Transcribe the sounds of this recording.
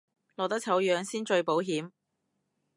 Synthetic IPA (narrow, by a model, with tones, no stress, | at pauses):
lɔː˨˩t̪ɐ˥k̚t͡sʰɐ˨˥wjœː˨˧ŋsiː˥nt͡ʃɵ˧ɥpo˨˥wɦiː˨˥m